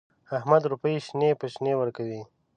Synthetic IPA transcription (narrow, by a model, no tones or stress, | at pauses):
ahmad̪ɾupəiʃnepəʃnewəɾkawi